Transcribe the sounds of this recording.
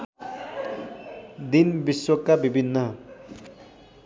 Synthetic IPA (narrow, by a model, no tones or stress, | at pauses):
d̪inbiswʌkːabibʱinːʌ